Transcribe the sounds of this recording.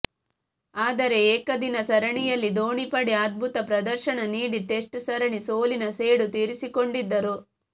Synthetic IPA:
aːd̪ɐɾe̞eːkɐd̪inɐsɐɾɐɳijɐlːid̪oːɳipɐɽeaːd̪̚bʱut̪ɐpɾɐd̪ɐɾʃɐɳɐniːɽiʈe̞sʈsɐɾɐɳiso̞ːlinɐse̞ːɽut̪iːɾisiko̞ɳɖid̪ːɐɾu

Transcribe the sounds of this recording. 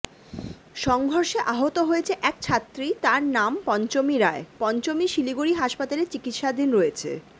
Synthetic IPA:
ʃɔŋɡʱoɾʃeʔaɦot̪oɦoet͡ɕʰeʔɛkt͡ɕʰat̪ːɾit̪aɾnampɔnt͡ɕomiɾaepɔnt͡ɕomiʃiliɡuɾiɦaʃpat̪alet͡ɕikit̪ʃad̪inɾoet͡ɕʰḛ

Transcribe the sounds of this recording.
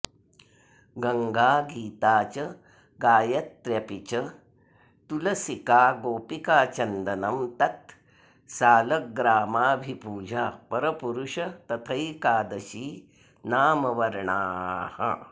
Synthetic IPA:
ɡɐŋɡaːɡiːt̪aːt͡ɕɐ | ɡaːjɐt̪ːɾjɐpit͡ɕɐ | t̪ulɐsikaːɡoːpikaːt͡ʃɐnd̪ɐnɐmt̪ɐt̪ | saːlɐɡɾaːmaːbʱipuːd͡ʑʱaːpɐɾɐpuɾuʂɐt̪ɐt̪ʰɐjkaːd̪ɐɕiː | naːmɐʋɐɾɳaːha̰

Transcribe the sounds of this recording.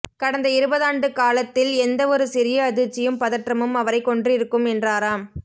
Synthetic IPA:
kɐɽɐnd̪ɐɪɾɯbɐðaːɳɖɯkaːlɐt̪ːɪlɛnd̪ɐɔɾɯsɪɾɪjɐːðɯɾt͡ʃːɪjɯmpɐðɐʈrɐmɯmɐʋɐɾɐɪkːɔɳɖrɪɾɯkːɯmɛndraːɾaːm

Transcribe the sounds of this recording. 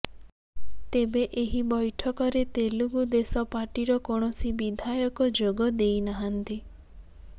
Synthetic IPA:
t̪ebeʔeɦibɔjʈʰɔkɔɾet̪eluɡud̪esɔpaʈiɾɔkɔɳ̃ɔsibid̪ʱajɔkɔd͡ʒoɡɔd̪ejnaɦant̪i

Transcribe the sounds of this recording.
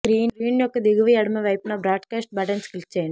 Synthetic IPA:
kɾiːnɾiːnjɔkːɯd̪ɪɣɯʋiɐɽɯmɐʋɐɪpːnaːbɾaːɖkaːsʈ̚bɐʈɐnskɪlt͡ʃeːn

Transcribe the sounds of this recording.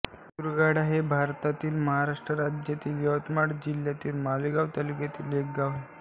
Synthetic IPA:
uɾɡaɽaɦebʱaɾt̪at̪iːlməɦaɾaʂʈɾəɾad͡ʑjat̪iːljəʋt̪maɽd͡ʑiljat̪iːlmaliɡaʋt̪əlukat̪iːlek̚ɡaʋe

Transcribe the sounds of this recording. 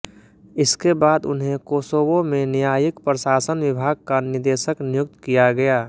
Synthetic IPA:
ɪskebaːd̪ʊ̰nɦẽkoːsoːbõmẽnjaːjɪkpɾəʃaːsənʋɪbʱaːɡ̚kanɪɾd̪eːʃəknɪjʊk̚t̪kijaɡɐjaː

